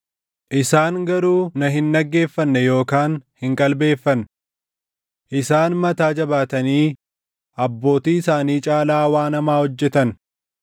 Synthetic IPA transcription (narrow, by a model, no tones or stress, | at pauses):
ʔɪsaːŋɡɐɾuːnɐɦɪnːɐɡːe̞ːfːɐnːɛjo̞ːkaːnhɪŋkʼɐlbe̞ːfːɐn | ʔɪsaːnmɐt̪aːd͡ʒɐbaːt̪ɐniː | ʔɐbːo̞ːt̪iːɪsaːniːt͡ʃʼaːlaːwaːnɐmaːhɔd͡ʒːɛt̪ɐn